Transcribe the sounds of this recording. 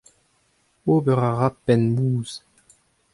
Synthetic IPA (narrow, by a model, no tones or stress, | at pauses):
oːbɛʁaʁapːɛnmuːz